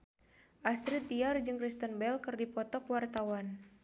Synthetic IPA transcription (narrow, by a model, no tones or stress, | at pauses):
ʔast̪ɾit̪iard͡ʒɨŋkɾist̪ənbɛlkɨrdipɔt̪ɔkwart̪awan